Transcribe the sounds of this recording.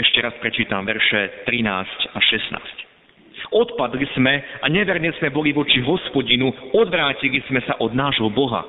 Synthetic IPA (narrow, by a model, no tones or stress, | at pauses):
ɛʃcɛɾaspɾɛt͡ʃiːt̪amʋɛɾʃɛt̪ɾinaːscaʃɛsna̰ːsc | ɔt̪pad̪liz̥mɛaɲɛʋɛɾɲɛz̥mɛbɔliʋɔt͡ʃiɦɔspɔɟinuɔd̪ʋɾaːciliz̥mɛsaʔɔd̪naːʒɦɔbɔɦa̰